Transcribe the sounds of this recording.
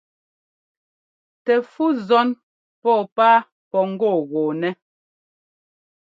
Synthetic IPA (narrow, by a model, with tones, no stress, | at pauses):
tɛ˨fu˦zɔ˦n | pɔː˦˨paː˦ | pɔ˨ŋ̩˦ɡɔː˦˨ɣɔː˨nɛ˦